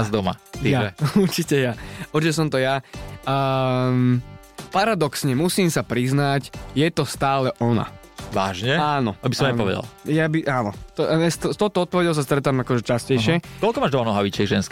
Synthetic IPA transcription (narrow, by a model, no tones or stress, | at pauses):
zd̪ɔma̰ijaɛuɾt͡ʃicɛjauɾt͡ʃicɛs̬ɔmt̪ɔja | paɾad̪ɔksɲɛmusiːmsapɾiznacjɛt̪ɔst̪aːlɛʔɔna̰ | ʋaːʒɲɛaːnɔt̪ɔbisɔmapɔʋɛ̰d̪a̰ljabiʔaːnɔt̪ɔɛst̪ɔst̪ɔʊt̪ɔɔt̪̚pɔʋɛɟɛls̬ast̪ɾɛt̪aːmakɔʒɛt͡ʃascɛjʃɪɛkɔlkɔmaːʒd̪ɔmanɔɦaʋit͡ʃɛɡʒɛnsk